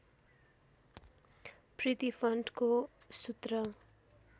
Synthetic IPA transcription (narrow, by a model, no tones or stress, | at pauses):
prit̪ipʰʌɳɖko | sut̪rʌ